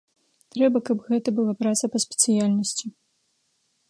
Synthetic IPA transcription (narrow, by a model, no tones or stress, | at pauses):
t̪ɾɛbɐkɐbɣɛt̪ɐbɨlˠapɾat̪sɐpɐsʲpʲɛ̥t̪sɨjalʲnɐsʲt͡sʲi